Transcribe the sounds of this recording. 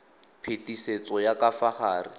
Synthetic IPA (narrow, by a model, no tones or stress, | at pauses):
pʰetiset͡sɔjakafaχaːri